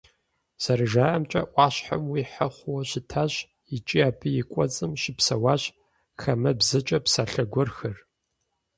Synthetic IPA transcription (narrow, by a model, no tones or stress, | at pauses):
sɐɾɨʒaːʔɐmt͡ʃʼɐ̰ʔʷɑːɕħamwiːħəχʷʊwɐɕɪtʰaːɕ | ɪt͡ʃʼiaːpʰɨjɪkʷʼɔt͡sʼɨmʃɪpsɐwaːɕ | xɐmɐbzɨt͡ʃʼɐpsaːɬɐɡʷɔrxɐr